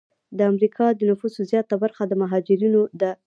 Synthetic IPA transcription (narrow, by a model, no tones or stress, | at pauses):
d̪əamɾikʰɑd̪ənʊfusozjɑt̪abaɾxad̪əmaɦɑd͡ʒɪɾinod̪ə